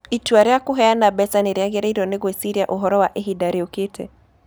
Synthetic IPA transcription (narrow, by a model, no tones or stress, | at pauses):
ituaɾɛakuɦɛanabɛsaneɾɛaɣɛɾɛiɾɔneɣwɛsiɾjaʔoɦɔɾɔwaʔeɦidaɾioketʰɛ̰